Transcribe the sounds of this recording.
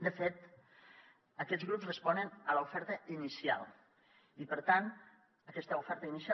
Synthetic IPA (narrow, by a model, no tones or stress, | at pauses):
d̪əfet̪ | əkɛzɣɾupzrəspɔnənələufɛɾt̪əinisia̰lˠ | ipəɾt̪an | əkɛst̪əufɛɾt̪əinisia